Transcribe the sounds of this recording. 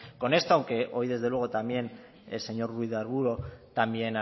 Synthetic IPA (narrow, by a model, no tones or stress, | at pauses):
ko̞ne̞st̪oawŋke̞ʔo̞jð̞e̞zðelwe̞ɣ̞ot̪ambje̞n̰ | se̞ɲo̞ɾruiðaɾɣuɾo̞t̪ambje̞na